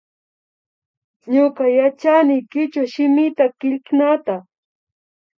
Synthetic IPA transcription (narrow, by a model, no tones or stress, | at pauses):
ɲokajat͡ʃanɪjkɪt͡ʃaʃɪmɪt̪akɪʎknat̪a